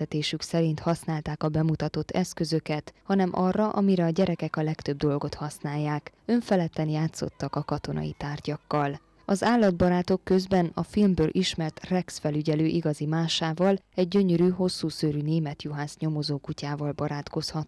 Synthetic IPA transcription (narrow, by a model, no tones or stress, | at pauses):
ɛt̪eːʃyksɛɾint̪hɒsnaːlt̪aːkɒbɛmut̪ɒt̪o̞t̪ːɛskø̞zø̞kɛt̪hɒnɛmʔɒrːɒʔɒmiɾɛɒɟɛɾɛkɛkɒlɛkt̪ø̞b̚d̪o̞lɡo̞t̪hɒsnaːjːaːk | ø̞ɱfɛlɛt̪ːɛnjaːt̪so̞̰t̪ːɒkɒkɒt̪o̞nʔɒ̰jḭt̪aːrɟɒkːɒl | ɒzaːlːɒd̪̚bɒɾaːt̪o̞kːø̞zbɛnɒfilmbøːlʔiʃmɛrt̪rɛksfɛlyɟɛløːʔiɡɒzimaːʃaːvɒlɛɟ̚ːø̞ɲøɾyːɦo̞sːuːsøːɾyneːmɛt̪juɦaːzɲo̞mo̞zoːkucaːvɒlbɒɾaːt̪ko̞shɒt̪